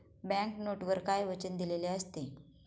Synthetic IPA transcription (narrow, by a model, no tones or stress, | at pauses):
bɛæ̃ŋknoʈʋəɾkajʋət͡ɕənd̪ileleəst̪e